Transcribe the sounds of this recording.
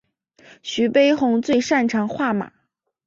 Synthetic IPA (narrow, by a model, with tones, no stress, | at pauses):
ɕy˧˥pe˥ɪxʊ˧˥ŋt͡swe˥˧ɪʂa˥˩nʈ͡ʂʰɑ˧˥ŋxwa˥˩ma̰˨˩˦